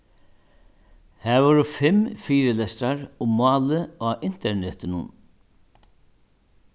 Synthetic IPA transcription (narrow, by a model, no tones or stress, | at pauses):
hæːʋɔɾʊfɪmfiːɾɪlɛst̪ɾaɹʊmːɑːləaːʔɪn̥t̪ɛɹɳɛt̪ɪnʊ̰n